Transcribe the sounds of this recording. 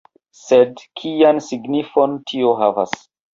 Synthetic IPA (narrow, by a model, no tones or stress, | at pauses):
sedkʰiansiɡnifontʰioɦava̰s